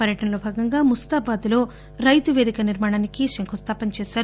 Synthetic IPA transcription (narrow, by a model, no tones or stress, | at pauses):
pɐɾjɐʈɐnɐlo̞ːbʱaːɡɐŋɡaːmust̪aːbaːd̪ulo̞ː | ɾɐjt̪uʋeːd̪ikɐniɾmaːɽaːnikiʃɐŋkʰust̪ʰaːpɐnt͡ʃɛːʃaːɾu